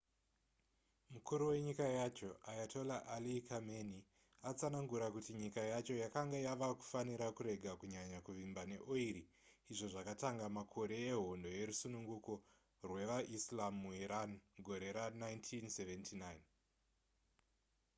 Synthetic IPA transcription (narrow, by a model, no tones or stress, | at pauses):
mukuɾuwe̞ɲikajat͡ʃo̞ajatʰolaʔalikameni | at͡sanaŋɡuɾakutiɲikajat͡ʃo̞jakaŋɡajaʋaku̥faniɾakuɾe̞ɡʱakuɲaɲakuʋimbane̞ʔoiɾiː | ʐo̞ʐakataŋɡamakʰo̞ɾe̞eɦo̞ndo̞je̞ɾusunuŋɡuko̞ | rwe̞ʋaʔislamːuɦiɾanɡʱo̞ɾe̞ɾanaintʰinseʋentʰinajn